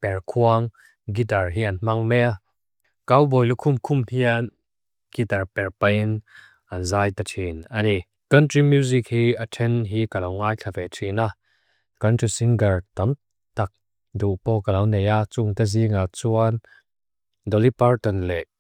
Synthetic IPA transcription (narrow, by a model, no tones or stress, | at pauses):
pɛɹkʰuəŋ | ɡitaɹɦianm̥ɐŋmɛa | kawbɔjlukʰʊmkʰʊmhian | ɡ̥itaɹpɛɹpɐjn | ɐnzaːjt̪atʰinɐni | kɐntɹimjuzik̚hiːatʰɛnɦikɐlɔwŋaːjkʰavɛtʰina | kɐntɹisiŋɡəɹt̪ɔn | t̪ak̚ | duʔpɔːkalɐwnejat͡suŋt̪aziŋat͡suan | dɔlipaɹt̪ɔnlɛʔ